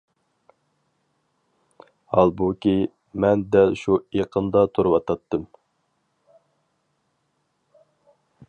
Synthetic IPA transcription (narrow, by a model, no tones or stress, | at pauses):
hɑlˠbukʲi | mɛnd̪ɛlʃueqʰənd̪ɑt̪ʰuɾɨwɑt̪ʰɑt̪ːɨm